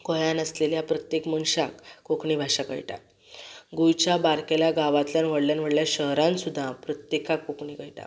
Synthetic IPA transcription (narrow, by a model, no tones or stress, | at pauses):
kɔjanəsleljapɾət̪jekmənɕakːokɳiːbʱaɕakə̰jʈa̰ | ɡujt͡ɕjabaɾkeljaɡaʋat̪ljanʋ̤əɽljanʋ̤əɽljaɕəɦɾãnsud̪ʱːapɾət̪jekakːokɳiɡəjʈa̰